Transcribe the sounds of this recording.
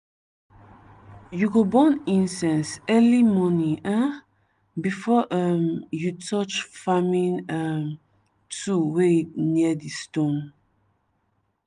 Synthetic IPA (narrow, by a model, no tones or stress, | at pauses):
juɡobɔ̃nĩnsɛ̃nsɛlimɔniʔã | bifɔʔəmjutʰɔt͡ʃfamĩnəm | tʰuwetniədistõn